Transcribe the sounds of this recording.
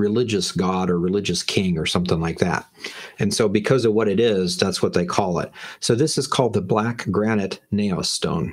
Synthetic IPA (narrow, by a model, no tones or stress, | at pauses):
ɹɨlɪd͡ʒɨsɡ̥ɑɾə˞ɹɨlɪd͡ʒɨskʰɪ̃ŋə˞sʌ̃mθɪ̃ŋlaɪk̚ðæ̰ɾ̚ɨ̃nsoʊbɨkʰʌzʌvwʌɾɨɾɪzðætswʌt̪̚ðeɪkʰɔlˠɪ̰t̚soʊðɪsɨz̥kʰɔlˠd̪̚ðəblækɡ̥ɹænɨtⁿneɪ̰stõ̰ʊ̃n